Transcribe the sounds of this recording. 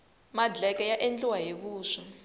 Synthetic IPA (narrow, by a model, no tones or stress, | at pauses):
mad͡ɮɛkajaʔend͡ɮiwaɦekuːʂi